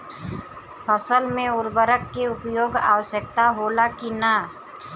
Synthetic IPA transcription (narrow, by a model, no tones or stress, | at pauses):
pʰəsəlmẽʊɾbəɾəkːeʊpjoːɡa̰ːʋəsjək̚t̪aɦoːlakinaː